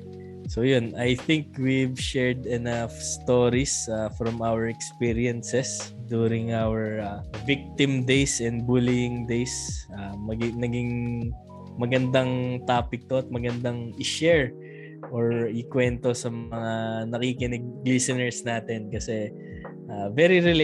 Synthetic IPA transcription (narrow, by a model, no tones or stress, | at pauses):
sojonɐjθɪŋkwivʃɛɹd̪ɛnafst̪oːɾisafɾɔmawɛɹɛkspiɹiɛnsɛsd̪uːɾɪŋʔawɛɹavik̚t̪ɪmd̪ejsɛnd̪̚bulijɪŋd̪ejsʔamɐɡɪnɐɡɪŋ | mɐɡɐnd̪aŋt̪aːpɪk̚t̪oɐt̪̚mɐɡɐnd̪aŋɪʃɛɹ | ʔoɹɪkwɛnt̪o̞sɐmɐŋanɐkikɪnɪɡ̚lisɐnɛɹsnaːt̪ɛnkɐsɛ | ʔaːvɛɾiɾɪl